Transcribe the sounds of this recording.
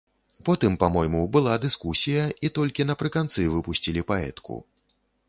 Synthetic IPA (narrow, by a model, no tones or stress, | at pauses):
pɔt̪ɨmpamɔjmubɨlˠad̪ɨskusʲijɐit̪ɔlʲkʲinɐpɾɨkant̪sɨvɨpusʲt͡sʲilʲipaɛ̰t̪kṵ